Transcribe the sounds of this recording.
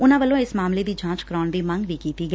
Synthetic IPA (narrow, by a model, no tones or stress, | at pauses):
ʊnãːʋəlːõːɪsmaːmleːd̪iːd͡ʒãːt͡ʃkəɾɔːɳd̪eːmə̃ŋɡʋiːkiːt̪iːɡəɛː